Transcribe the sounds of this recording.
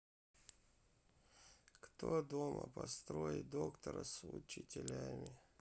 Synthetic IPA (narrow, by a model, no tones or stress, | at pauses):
kt̪od̪oməpɐst̪ɾojɪt̪̚d̪okt̪əɾəsʊt͡ɕɪtʲɪlʲæmʲɪ